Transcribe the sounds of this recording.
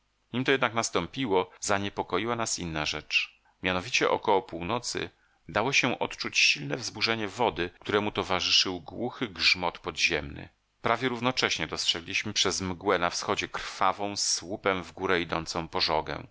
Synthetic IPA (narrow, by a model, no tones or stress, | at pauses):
ɲimt̪ɔjɛd̪naknast̪ɔmpʲiwɔzaɲɛpɔkɔjiwanasinːaʐɛt͡ʂ | mʲjanɔvʲit͡ɕɛʔɔ̰kɔwɔpuwnɔt̪sɘ̰ | d̪awɔɕɛʔɔt̪t͡ʂut͡ɕɕilnɛvzbuʐɛɲɛvɔd̪ɘk̚t̪uɾɛmut̪ɔvaʐɘʂɘwɡwuxɘɡʐmɔt̪pɔd̪ʑɛmnɘ̰ | pɾavʲjɛɾuvnɔt͡ʂɛɕɲɛd̪ɔstʂɛɡlʲiɕmɘpʂɛzmɡwɛnafsxɔd͡ʑɛkɾfavɔ̃w̃swupɛmvɡuɾɛid̪ɔnt̪sɔ̃w̃pɔʐɔɡɛ̰̃w̃